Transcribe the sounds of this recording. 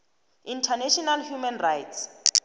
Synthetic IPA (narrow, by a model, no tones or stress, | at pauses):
intʰanɛʃɔnalhjumɛnrajts